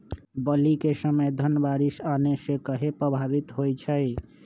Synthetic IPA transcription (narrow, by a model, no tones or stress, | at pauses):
bəlikesəməjd̪ʱənəbaɾisanesekəɦepɾəbʱabit̪ɦojt͡ʃʰəj